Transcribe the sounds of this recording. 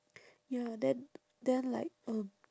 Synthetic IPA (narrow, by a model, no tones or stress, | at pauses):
jadɛn | d̪ɛnla̰ɪk̚ʌm